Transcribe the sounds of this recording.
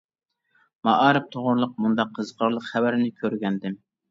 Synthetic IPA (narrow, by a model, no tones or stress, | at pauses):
mɑʔɑːɾɨp̚t̪ʰoʁʊɾlˠʊq̚mund̪ɑqʰːəzqʰəɾlˠəqχævæɾɪnɪkʲʰøɾɡʲɛnd̪ɪm